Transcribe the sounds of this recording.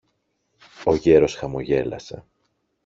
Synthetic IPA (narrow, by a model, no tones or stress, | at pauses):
o̞ʝe̞ɾo̞sxɐmo̞ʝe̞lɐ̰se̞̰